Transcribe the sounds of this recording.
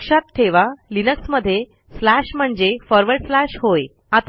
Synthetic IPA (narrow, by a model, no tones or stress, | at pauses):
kʂat̪t̪ʰːeʋalinəksməd̪ʱːje | slæɕm̤əɳd͡zefɔɾʋəɾɖslæɕhoj | at̪